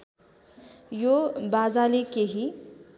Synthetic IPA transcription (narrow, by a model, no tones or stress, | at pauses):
jobad͡zalikeɦi